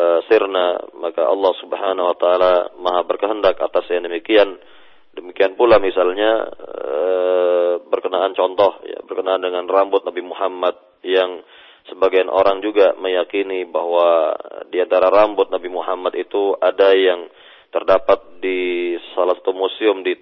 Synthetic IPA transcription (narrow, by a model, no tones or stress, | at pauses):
əsirna̰makaɑ̰lːɑhsubhanawat̪aːlamaɦabərkəɦəndaka̰t̪asjaŋdəmikian | dəmikianpulamisalɲa | ə | bərkənaant͡ʃɔnt̪ɔhja̰bərkənaːndəŋanrambʊt̪̚nabimuɦamat̪̚ | jaŋ | səbaɡajnʔo̰ɾaŋd͡ʒuɡaməjakinibahwadiant̪aɾaɾambʊt̪̚nabimuɦamat̪it̪uadajaŋ | t̪ərdapat̪̚disalahsḁt̪umosiʊmdi